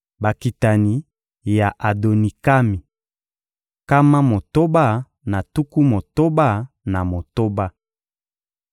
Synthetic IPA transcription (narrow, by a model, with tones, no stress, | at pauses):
ba˨ki˨ta˨ni˨ | ja˨ʔa˨do˨ni˨ka˦mi˨ | ka˦ma˦mo˨to˦ba˦˨ | na˨tu˦ku˦mo˨to˦ba˦˨ | na˨mo˨to˦ba˦